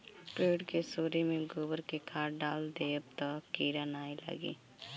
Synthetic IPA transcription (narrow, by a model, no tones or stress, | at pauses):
ʈɾeːɖkesoːɾemẽɡoːbəɾkekʰaːɾɖaːld̪eːəbt̪akiːɾanaːelə̰ɡḭː